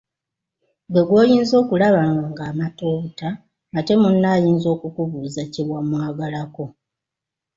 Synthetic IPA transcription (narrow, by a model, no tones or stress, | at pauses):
ɡwe̞ɡwo̞ːjiːnzo̞ːkulaβaaŋɡaːmato̞ːβutaː | te̞munːajiːnzo̞ːkukuβuːzaciβwamwaːɡalako̞